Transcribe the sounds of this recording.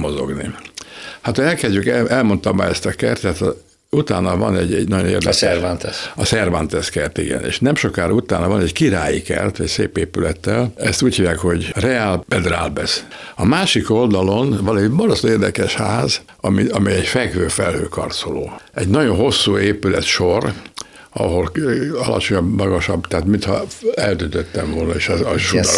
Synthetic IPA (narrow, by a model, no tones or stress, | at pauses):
mozo̞̰ɡnḭ | hat̪ɛlkɛzɟykɛɛlmo̞nt̪ɒmba̰ːɛst̪ɒkɛrt̪ːɛt̪ | ut̪aːnɒvɒ̰nɛɟɛ̰ɟnɒɟo̞nḛːrd̪ɛsɛrvant̪ɛsɒsɛrvant̪ɛskɛrt̪ḭɡɛ̰nḛːʃnɛmʃo̞kaːɾut̪aːnɒvɒnɛɟkiɾaːjikɛ̰rt̪ɛcsḛːpeːpylɛt̪ːɛlɛst̪uːchivjaːkho̞ɟrɛaːlbɛd̪ra̰ːlbɛsɒmaːʃiko̞ld̪ɒlo̞nvɒnɛɟmɒd̪oseːrd̪ɛkɛʃhaːz | ɒmiɒmiɛɟfɛɡʋøːfɛlhøːkɒ̰rt̪soloːɛɟnɒɟo̞nɦo̞sːuːeːpylɛt̪ʃo̞r | ɒ̰ɦo̞lɒlɒ̰t͡ʃo̞ɲɒbmɒɡɒʃɒbt̪aːt̪mint̪hɒ̰ɛld̪ynt̪øt̪ːɛɱvo̞lnɒeːʃɒʃud̪